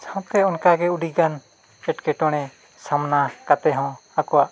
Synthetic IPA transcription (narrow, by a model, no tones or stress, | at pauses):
sʰãpkɛɔnkaɡɛuɖiɡan | ɛʈkɛʈɔɽ̃ɛ | samnakat̪ɛɦɔ̃akɔaʔ